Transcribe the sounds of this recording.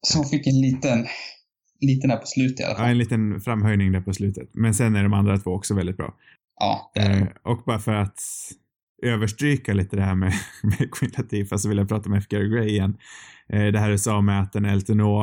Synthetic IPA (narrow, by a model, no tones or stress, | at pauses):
sɔfɪkːɛnliːt̪ən | liːt̪ənd̪æːɾpʰɔ̥slʉ̟ːt̪ɪa̰la̰faɛniːt̪ənfɾamːɦœjnɪŋd̪æːɾpɔslʉ̟ːt̪ət̪mɛnsɛnːæɖɔmand̪ɾat̪ʰvoːɔksɔvɛld̪ɪt̪̚bɾɑ̰ː | ʔɑ̰ːd̪̰ʔɔk̚bɑːɾafœɾat̪ | øːvəʂʈɾiːkaliːt̪əd̪ɛhæːmɛmɛkʰɪnt̪ʰat̪ʰiːfast̪sɔvɪljapʰɾɑːt̪aɔmɛɛfkɛɾɡɾɛjɪɛnːʔd̪ɛɦæːɾʉsɑːmɛat̪̚d̪ɛnɛlt̪ənoː